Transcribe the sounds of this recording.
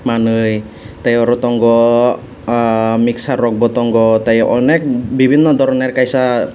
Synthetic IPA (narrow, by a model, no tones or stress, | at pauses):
manəj | t̪ajɔɾɔt̪ɔŋɡɔ | miksarɔk̚bɔt̪ɔŋɡɔt̪ajɔʔɔnɛk̚bibinnɔd̪ɔɾɔnɛrkaisa